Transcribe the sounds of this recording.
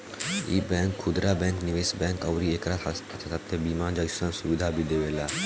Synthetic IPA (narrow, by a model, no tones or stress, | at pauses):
ḭːbɛ̃ːŋkʰːʊd̪ɾaːbɛ̃ːŋknɪʋeːsbɛ̃ːŋkəwɾieːkɾat̪ʰaat͡ʃʰat̪ʰat̪ːebiːmãːd͡ʒəsə̃nsʊʋɪd̪ʱaːbʱid̪eːʋeːlaː